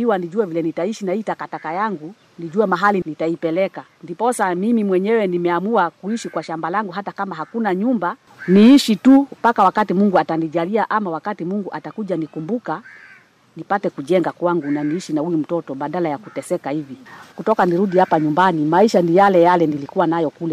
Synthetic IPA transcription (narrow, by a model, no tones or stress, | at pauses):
iwaniʄuɛvilɛnitaiʃinaitakatakajaŋɡu | niʄuɛmaɦalinitaipɛlɛka | ndipɔsamimimwɛɲɛwɛnimɛamuakuiʃikwaʃambalaŋɡuɦatakamaɦakunaɲumba | niiʃitupakawakatimuŋɡuataniʄaliaʔamawakatimuŋɡuʔatakuʄanikumbuka | nipatɛkuʄɛŋɡakwaŋɡunaniiʃinahujum̩tɔtɔɓaɗalajakutɛsɛkahivikutɔkaniɾuɗihapaɲumbanimaiʃanijalɛjalɛnilikuwanajɔkulɛ